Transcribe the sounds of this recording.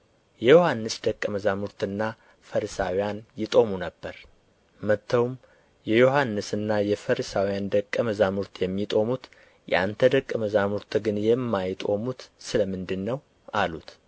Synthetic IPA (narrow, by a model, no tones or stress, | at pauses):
jɛjo̞hanːɨsd̪əkʼːəməzamuɾt̪ɨnːa | fəɾsawijanjɪt̪ʼo̞munəbːəɾ | mət̪ʰːəwum | jɛjo̞hanːɨsɨnːajɛfəɾsawijand̪əkʼːəməzamuɾt̪ʰjɛmːit̪ʼo̞mut̪ | jɛ̰ʔa̰nt̪ʰəd̪əkʼːəməzamuɾt̪ʰɡɨnjɛmːajt̪ʼo̞̰mut̪sɨləmɨnd̪ɨnːəw | alut̪